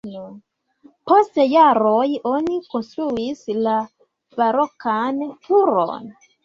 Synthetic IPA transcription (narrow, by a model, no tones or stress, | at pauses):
postejaɾojonikonstɾuisla | vaɾokʰantʰuɾo̰n